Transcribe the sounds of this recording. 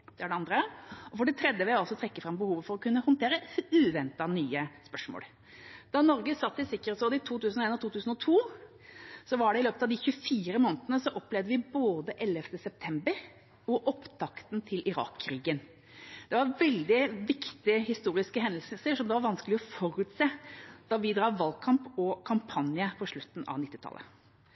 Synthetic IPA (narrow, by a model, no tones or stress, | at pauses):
d̪̥ɛæɖɛɑnd̪ɾəɔfɔɖɪt̪ʰɾɛd̪ːəʋɛɑlsɔt̪ʰɾɛkːəfɾɑmbəhuːʋəfɔɾɔkʰʉnːəhʊnt̪ʰeːɾəʉːʋɛnt̪ɑnyːəspœʂmo̰ːl | d̪̥ɑnɔɾɡəsɑt̪ːʋɪsɪkːəɾsoːd̪ɪt̪ʰuːt̪ʉːsnɔeːnɔt̪uːt̪ʉːsn̩ɔt̪ʰuː | sɔʋɑɖɛɪløːpət̪ɑʋd̪ɪçʉfiːɾəmoːnət̪ənəsɔʔɔpːlɛʋd̪əʋɪboːd̪əʔɛlːəft̪əsɛp̚t̪ʰɛmbəɾ | ɔʔɔpt̪ʰɑkt̪nt̪ʰɪlʔɪɾɑ̰ːkʰːɾiːɡən | d̪̥ɛʋɑɾʋɛld̪ɪʋɪkt̪ɪəhɪst̪uːɾɪskəɦɛnəlsəsəʂɔmd̪ɛʋɑɾʋɑnskəlɪɔfɔɾʉt̪seːd̪̥ɑʋɪd̪ɾɑːʋɑlkʰɑmpɔkʰɑmpʰɑnjəpʰɔʂɭʉt̪ːn̩ɑ̰ʋnɪt̪ːɪt̪ʰɑ̰lʔə̰